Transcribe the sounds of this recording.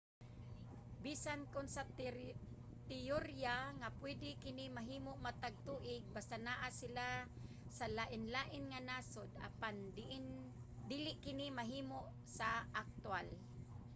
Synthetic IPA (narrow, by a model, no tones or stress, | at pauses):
biːsankʊnsa | t̪ɪjoɾjaŋapwɛd̪ɪkɪnɪmaɦiːmʊʔmat̪aɡ̚t̪uːʔɪɡ̚bast̪anaʔasɪla | salaʔɪnlaːʔɪnŋanasod̪a̰pann | d̪iːlɪʔkɪnɪmaɦiːmoʔ | saʔak̚t̪wal